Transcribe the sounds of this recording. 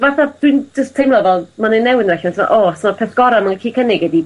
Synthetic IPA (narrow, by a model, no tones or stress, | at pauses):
vaθad̥wind͡ʒəstʰejmlˠɔvɛlˠmanenːɛwɪnrɛɬansɪma̰ʔosɔmapʰeːθɡ̥ɔɾamankʰiːkʰənɪɡɛdi